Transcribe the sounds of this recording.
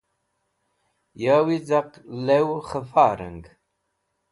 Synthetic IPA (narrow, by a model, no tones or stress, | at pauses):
jaːwizaqlɛwχəfaːɾə̰ŋɡ